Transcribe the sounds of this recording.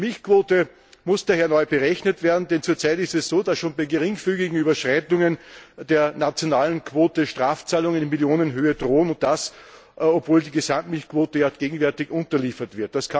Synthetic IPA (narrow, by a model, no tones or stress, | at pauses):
mɪlçkʰv̥oːtə | mʊsd̥aːheːɐnɔʏb̥əʁɛçnətv̥eːɐdn̩dɛnt͡suːɐt͡saɪtɪstɛssoːdasʃoːnbæɪɡəʁɪŋfyːɡɪɡŋ̩yːbɐʃʁ̥aɪtʊŋənd̥eːɐnat͡sjonaːlən̩kʰv̥oːtəʃtʁaːft͡saːlʊŋɪnmiljoːnənɦøːədʁoːənʊnt̚d̥as | opv̥oːldiːɡəzamtmɪlçkʰv̥oːtəjaɡ̥eːɡŋ̩vɛɐtɪçʔʊ̃ntɐliːfɐtv̥ɪɐt̚d̥askʰa